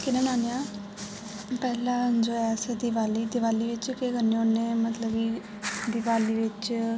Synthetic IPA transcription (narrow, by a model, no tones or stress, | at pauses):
kɪnẽːnaːnjãː | pɛːlãːnd͡ʒoːɛsed̪ɪʋaːliːd̪ɪʋaːliːʋɪt͡ʃkeːkənːeonːeːmət̪ləbiː | d̪ɪʋaːliːʋɪt͡ʃ